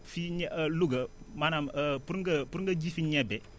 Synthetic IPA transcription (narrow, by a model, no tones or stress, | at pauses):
fiɲluɡɐ | manaməpuɾŋɡɐpuɾŋɡɐd͡ʒifiɲɛbɛ